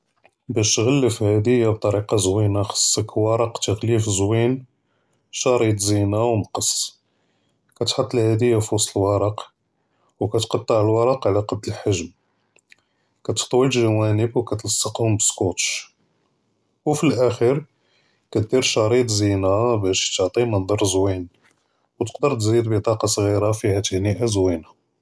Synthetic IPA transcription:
bæʃt̪ɣælːəfhæd̪əjːab̚t̪ˤɑɾiqɑzwinaxɑ̥sˤːəkwɑɾˤɑqt̪əɣlifzwin | ʃɑɾˤit̪ˤzinawməqəsˤ | kæt̪ħɑt̪ˤːəlhæd̪əjːafwɑsˤlwɑɾˤɑq | wkæt̪qɑt̪ˤːɑʕəlwɑɾˤɑqʕlæqɑb̪əlħaʒm | kæt̪ə̥ħt̪ˤwəllʒæwænəbwkæt̪lɑsˤːɑqhʊmbəskot̪ʃ | wfilʔæxiɾ | kæt̪̚d̪iɾʃɑɾˤit̪ˤzinabæʃt̪əʕt̪ˤimənd̪ˤɑɾˤzwin | wt̪ə̥qd̪əɾt̪zid̪bət̪ˤɑqɑsˤɣiɾafihæt̪əhniʔæzwina

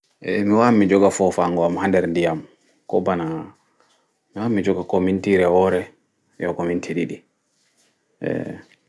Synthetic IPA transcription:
ʔɛmiwamid͡ʒɔɡafɔfaŋɡɔamhandɛɾndijam | kɔbana | miwamid͡ʒɔɡakɔmintiɾɛwɔɾɛ | jɔkɔmintʰiɗiɗi | ʔɛ̰

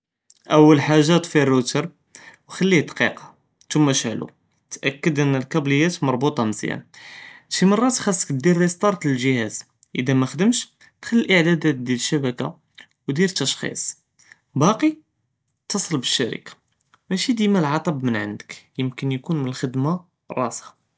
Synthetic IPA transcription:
ʔəwːəlħaʒːæt̪firːut̪əɾˤ | wxælːid̪qiqɑ̥ | t̪umːæʃəʕlṵ | t̪ʔækːəd̪ʔənːəlkæbləjːæt̪mɑɾˤbut̪ˤɑməzjæ̰nʃimɑrˤːɑt̪xɑsːə̥kd̪iɾist̪ˤɑɾˤt̪ləlʒəhæz | ʔə̰d̪æmæxd̪əmʃ | t̪xælːilʔəʕd̪æd̪æt̪̚d̪æləʃːæbæka̰ | wd̪iɾt̪ːɑʃxḭsˤ | bɑqi | t̪ɑsˤəlbəʃːæɾḭkḁ | mæʃid̪imælʕɑt̪ˤɑbmənʕa̰nd̪ə̥kjəmkənjkunmənəlxəd̪ma | rˤːɑsa

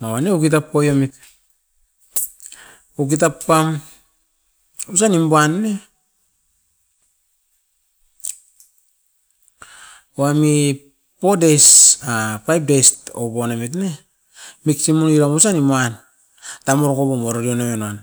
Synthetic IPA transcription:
mawaneukit̬apːojomit̚ | uk̬it̬apːam | us̬animboanːe | oami | po̞dejsapajp̚dejstobonamit̬ne | miksimuniɾamusaniman | tamoɾokobomoɾoɾionamenoan

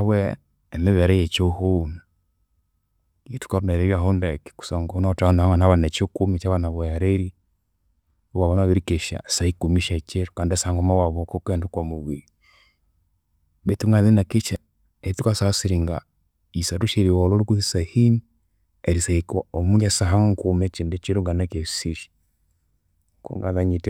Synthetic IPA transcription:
aβwɛː | meβɛɾɛjɛt͡ʃohona | itu̥kaɾunɛɾeβjaɦondɛki̥ku̥sɔŋɡɔunatanaaŋanaβanɛt͡ʃokumit͡ʃaβanaβɔjaɾeɾi | owaβɔnaaβeɾikeʃa̰saikumiʃɛt͡ʃeɾukandasaŋɡɔmawaβɔkɔkɛndukwamuwi | betuŋɡaðinakit͡ʃa | eɾitukasasiɾiŋɡa̰ | isaɾuʃeɾiwololukuðisahini | eɾisaikwaomuɲasaɦaŋŋkumɛt͡ʃindɛt͡ʃeɾuŋɡanakesiʃi̥ | ŋkṵŋɡaðaɲitɛ

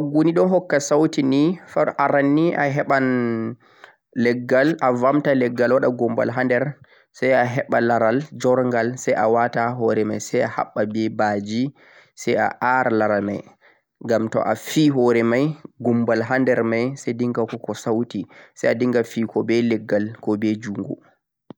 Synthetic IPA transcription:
aɡuniɗɔnɦɔkːasawtinifaʔaɾanːiʔaɦɛɓan | lɛɡːalavamtalɛɡːalwaɗaɡumba̰lɦandɛɾ | sajaɦɛɓalaɾald͡ʒɔɾŋɡalsaja̰wataɦɔɾɛmajsajaha̰ɓːabɛbad͡ʒi | saja̰ʔaɾlaɾamaj | ŋɡamtɔ̰ʔafiɦɔɾɛmajɡumbalɦandɛɾmajsajdiŋɡakɔkɔsawtisajadiŋɡafikɔbɛlɛɡːalkɔbɛd͡ʒuŋɡṵ

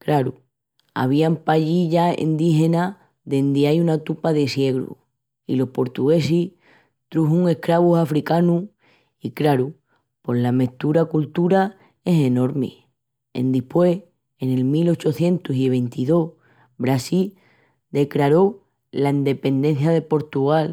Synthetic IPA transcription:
kɾaɾu | a̰β̞iampaʎiʎaḭnd̪iɦe̞na | ðe̞nd̪eajunat̪upaðesje̞ɣɾṵ | ḭlo̞hpo̞ɾt̪uɣe̞si | t̪ɾuɦuŋe̞hkɾaβusafɾikanu | iklaɾu | po̞ɦlame̞ht̪uɾakult̪uɾa | e̞se̞no̞ɾmḛ | ḛnd̪ihpwe̞h | ene̞lmilo̞t͡ʃoθje̞nt̪usiβ̞e̞nt̪iðo̞ | βɾasil | d̪e̞kɾaɾo̞ | laind̪e̞pe̞nd̪e̞n̟θjaðepo̞ɾt̪uɣal

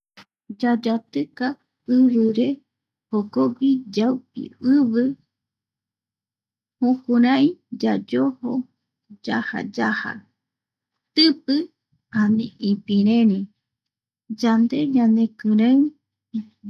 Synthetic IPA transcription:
d͡ʒad͡ʒat̪ɨka | ɨβɨɾe̞ | hoɡoɡid͡ʒawpḭɨβɨ | hũkuɾãĩd͡ʒad͡ʒoho | d͡ʒaha̰d͡ʒaha̰ | t̪ɨpɨ | ãnĩʔipĩɾẽɾĩ | d͡ʒand̪e̞ɲanẽkɨɾeaw

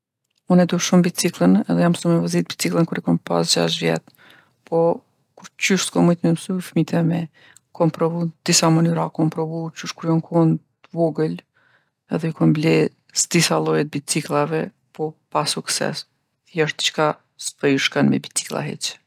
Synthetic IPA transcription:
unɛd̪uʃumbit͡siklˠənɛðɛjamsumɛvɔzit̪̚bit͡siklˠənkuɾɛkɔnpa̰s̬d͡ʑa̰ʃvjɛ̰t̪ | pɔ | kuɾt͡ɕyʃskɔmujt̪mɛmsufmit̪ʰɛmɛ | kʰɔmpɾɔvud̪̥isamanyɾakɔmpɾɔvut͡ʃyʃkuɾjɔŋkʰɔn | vɔɡəl | ɛ̰ðɛukɔmblɛ | sd̪isalˠɔjɛt̪̚bit͡siklˠavɛ | pɔpasuksɛ̰s | jaʃt̪t͡ʃka | spəjuʃkanmɛ̰bit͡si̥klˠa̰ɦɛ̰t͡ʃ

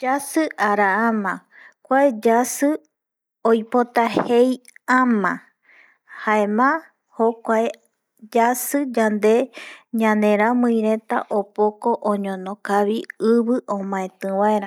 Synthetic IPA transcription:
d͡ʒasɨʔaɾaãmã | kʷaed͡ʒasɨ | ojpo̞t̪ahejãmã | haemã | hokʷae | d͡ʒasɨd͡ʒand̪e̞ɲãnẽ̞ɾãmɨ̃jɾe̞t̪a̰ʔopoko̞ʔoɲõnõkaβiɨβɨʔõmãẽt̪ɨ̃waeɾa

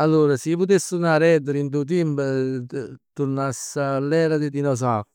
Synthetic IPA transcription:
alːuːɾasiput̪esːunaɾɛd̪eɾint̪̬ut̪̬imb | t̪uɾnasːalːɛːɾad̪ed̪inɔs̬a

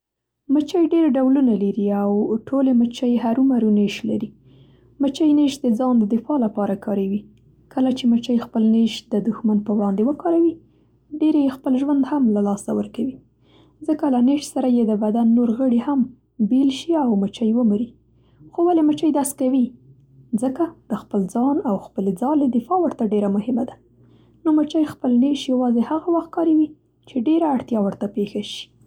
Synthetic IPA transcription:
mət͡ʃəjɖeɾɖawlunalaɾiawʈʰolemət͡ʃəjɦaɾumaɾuneʃla̰ɾi | mət͡ʃajneʃd̪əd͡zɑnd̪əd̪ɪfɑlapɑɾakʰɑɾawi | kʰəlat͡ʃemət͡ʃəjxpəlneʃd̪əd̪ʊxmanpəwɽɑnd̪ewəkɑɾawi | ɖeɾejexpəlʒwand̪hamlalɑsawə̰ɾkawi | zəkalaneʃsaɾajed̪əbad̪anːoɾɣəɽiham | belʃiawmət͡ʃajwəmuɾi | xowalemət͡ʃajd̪askawi | zəkad̪̥əxpəld͡zɑnawxpəled͡zɑled̪ɪfɑwəɾt̪aɖeɾamʊhɪmad̪a | nomət͡ʃajxpəlneʃjawɑzehaɣawaxt̪̚kɑɾiwi | t͡ʃeɖeɾaːɽt̪jɑwəɾt̪apexaʃi̥

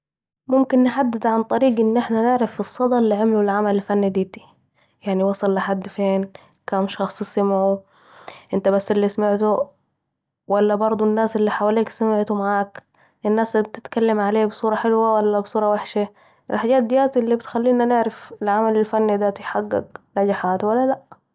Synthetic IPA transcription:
mʊmkɪnːħad̪ːɪd̪ʕant̪ˤɑɾiːɡʔɪnːʔɪħnanɪʕɾafɪsˤːɑd̪ˤɑlːiʕɪmlulʕamalɪlfanːid̪iːt̪i̥ | jaʕniwɑsˤɑlːaħad̪ːfeːn | kaːmʃɑxsˤsamʕu | ʔɪnt̪abasːɪlːismaʕt̪u | walːabɑɾˤd̪ˤunːaːsʔɪlːiħawaːliːksamɪʕt̪umaʕaːk | ɪnːaːsb̚t̪ɪt̪kalːamʕaleːbsˤuːɾˤɑħɪlwawalːabsˤuːɾˤɑwaħʃa | ʔɪ̰lħaɟaːt̪̚d̪ɪjaːt̪ɪlːibɪt̪xalːiːnanɪʕɾafɪlʕamalɪlfanːid̪aːt̪ujħaɡːɪ̰ɡnaɟaħaːt̪walːalaʔ

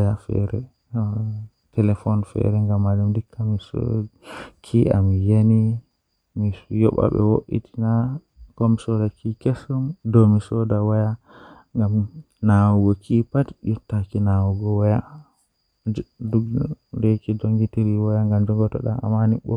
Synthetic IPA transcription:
jafɛ̰ɾɛ | tʰɛlɛfɔnfɛ̰ɾɛŋɡamːad͡ʒumdikʰːamisɔ̰ | kʰiʔa̰mijeni | mijɔɓa̰ɓɛ̰wo̰ʔḭti̥na | kɔmisɔdakʰikɛsɔmdɔmisɔdawaja | ŋɡam | nawɔɡɔkʰipatjɔtːakinawɔɡɔwaja | d͡ʒduɡdɛkidoŋɡitiɾiwajaŋɡamd͡ʒɔŋɡɔtɔ̰ɗa̰a̰maniɓɔ

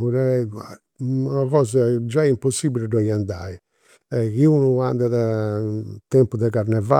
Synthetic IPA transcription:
uɾɛɛa | aɣɔːzad͡ʒaɛimposibilidɔjand̪ai | ɛɣiunuand̪aða | t̪ɛmpuðɛɣaɾnɛva

